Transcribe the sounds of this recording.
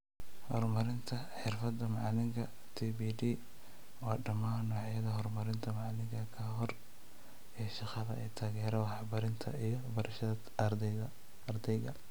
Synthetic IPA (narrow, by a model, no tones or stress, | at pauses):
hɔrmɐɾɪnt̪ʰɐ | ħɪrfɐd̪ɐmɑʕlɪŋkʰɐ | t̪ʰibiːdiː | wɑːɖɐmaːnːɔːʕjɐðɐɦɔrmɐɾɪnt̪ʰɐmɑʕlɪŋkʰɐkʰɐɦɔr | ijʃɑqɑðɐ̰ɛːt̪ʰaːɣɛːɾɐwɑħbɐɾɪnt̪ʰɐ̰ijɔbɐɾɐʃɐðɐ | ɐrd̪ɛjɣɐ